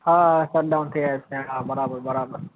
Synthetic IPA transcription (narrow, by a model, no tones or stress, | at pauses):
haːsɐɾ̚ɗãːnt̪ʰiaːeseːɽaːbɐɾaːbəɾbɐɾaːbəɾ